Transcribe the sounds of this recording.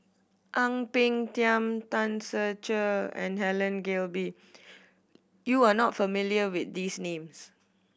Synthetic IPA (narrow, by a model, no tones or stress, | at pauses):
ʔãŋpɪ̃ŋtjãmtãnsət͡ʃəɛ̰̃nɦɛlə̃nɡelbi | juanɔtfəmiliəwɪt̚disnẽms